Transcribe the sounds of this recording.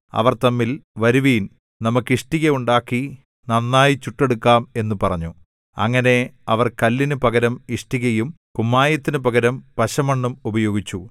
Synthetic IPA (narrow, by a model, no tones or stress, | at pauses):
ɐ̰ʋɐrt̪ɐmːilʋɐɾuʋiːn | nɐmukːiʂʈiɣɐuɳɖaːkːi | nɐnːaːjit͡ɕuʈːe̞ɽukːaːme̞nːupɐrɐɲːu | ɐ̰ŋːɐne̞ɐʋɐrkɐlːinɨpɐɣɐɾɐmiʂʈiɣɐjum | kumːaːjɐt̪ːinɨpɐɣɐɾɐmpɐɕɐmɐɳːumubɐjo̞ːɡit͡ɕːu